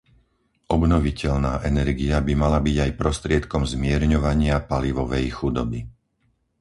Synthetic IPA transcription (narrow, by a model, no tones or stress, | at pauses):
ʔɔbnɔʋicɛʎnaːʔɛnɛɾɡiabimalabiɟajpɾɔst̪ɾɪɛt̪kɔmzmɪɛɾɲɔʋaɲɪapaliʋɔʋɛjxud̪ɔbi